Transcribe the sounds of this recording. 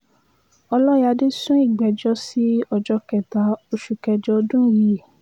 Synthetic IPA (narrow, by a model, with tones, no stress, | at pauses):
ɔ˧lɔ˦ja˧de˦sũ˦i˦˨ɡ͡bɛ˨d͡ʒɔ˧si˨˦ɔ˧˨d͡ʒɔ˧kɛ˨ta˨˦o˧ʃu˨kɛ˧d͡ʒɔ˧dũ˦ji˨˦˨